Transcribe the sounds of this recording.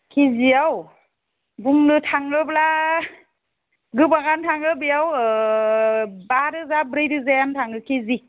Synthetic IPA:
kʰiziaw | buŋnɯtʰaŋɡɯbla | ɡɯbaɡantʰaŋɯbijaw | baɾɯzabɾɯjdɯzajantʰaŋɯkʰizi

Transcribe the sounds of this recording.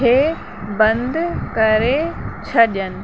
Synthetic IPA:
eː | bɐ̃nd̪ʱkɐɾet͡ɕʰɐɗənɪ̆

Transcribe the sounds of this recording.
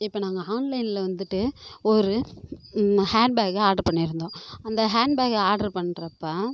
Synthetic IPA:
ɪpːɐːnaːŋɡɐaːnlɐɪnɪlɐʋɐnd̪ɯʈːɯɔɾɯ | haːɖ̚baːɣɯaːɾɖɐɾpɐɳːɪɾɯnd̪õːɐnd̪ɐɦaːɳɖbaːɣɐaːɾɖɐɾpɐɳːɾɐpːɐ

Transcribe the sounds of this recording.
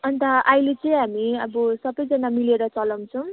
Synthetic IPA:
ʌnt̪ʌʔajlet͡sʌj̃ɦamiʌbʌsʌbʌjd͡zʌnamileɾʌt͡sʌlʌw̃t͡sʰʌ̃

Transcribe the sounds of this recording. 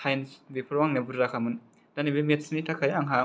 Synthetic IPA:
tʰajnsbipʰɾwaŋnɛbuɾakʰamɯn | d̥anibimit̪̚snit̪ʰakʰajaŋɦa

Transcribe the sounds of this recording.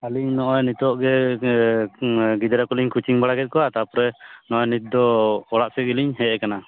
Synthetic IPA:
aliɲnɔʔɔjnit̪ɔʔɡɛ | ɡid̪ɾakɔliɲkʰut͡ʃiŋbaɽaɡɛt̪̚kɔat̪apɔɾɛnɔɔjnit̪̚d̪ɔɔɽaʔsɛɡiliɲɦɛɛkana

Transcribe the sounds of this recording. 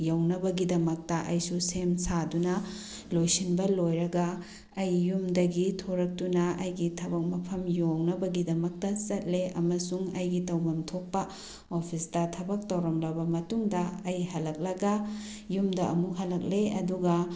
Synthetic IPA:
jɐwnɐbɐɡidɐmɐk̚tɐʔɐjsusemsadunɐ | lojsinbɐlojɾɐɡɐː | jːumdɐɡitʰoɾɐk̚tunɐɐjɡitʰɐbɐk̚mɐpʰɐmjownɐbɐɡidɐmɐk̚tɐsɐt̚leʔɐmɐsuŋɐjɡitɐwmɐmtʰok̚pɐ | opʰisdɐtʰɐbɐk̚tɐwɾɐmlɐbɐmɐtuŋdɐːjɦɐlɐk̚lɐɡɐ | jumdɐʔɐmukɦɐlɐk̚leɐduɡɐ

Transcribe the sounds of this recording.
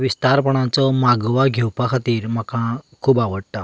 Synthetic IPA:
ʋist̪aɾpəɳ̃ãt͡sɔmaɡʋaɡʱewpakʰat̪iːɾm̤əkã | kʰuːbaʋəɽt̪a

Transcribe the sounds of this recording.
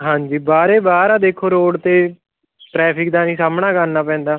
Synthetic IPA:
ɦãːɲd͡ʒiːbaːɾeːbaːɾaːd̪eːkʰːoːɾoːɽt̪eː | ʈɾɛːpʰɪkd̪aːnĩːsaːmɳaːkənaːpɛ̃ːnd̪aː

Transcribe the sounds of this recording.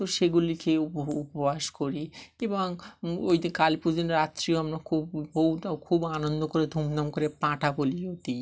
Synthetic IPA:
t̪oʃeɡulikeupoupobʱaʃkoɾieboŋojd̪ikalipud͡ʑinɾat̪ːɾioamɾakʰubːoɦuʈakʰubanond̪okoɾed̪ʱumd̪amkoɾepãʈʰaboliot̪i

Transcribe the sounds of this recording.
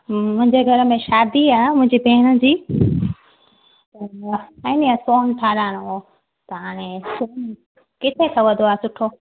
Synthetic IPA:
mʊ̃ɦɪ̃ɲd͡ʑeɡʱɐɾəmẽʃaːd̪iaːɦmʊ̃ɦɪ̃ɲd͡ʑibʱeːɪɽ̃ə̆d͡ʑiː | ɛniasoːnʈʰaːlaːɽ̃o | t̪ɐɦaːɽ̃ẽsoːn | kɪt̪ʰek̪ʰɐʋɐd̪ʱoaːsʊʈʰoː

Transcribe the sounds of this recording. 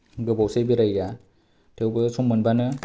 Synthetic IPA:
ɡɯbɔwsejbɯɾajja | tʰɯwbɯsɔmːɯnbanɯ

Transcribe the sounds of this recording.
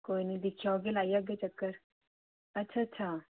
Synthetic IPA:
koːinəĩd̪ɪkʰijaoːɡelaːijaɡet͡ʃəkːəɾ | ɐtːʃʰaːtːʃʰaː

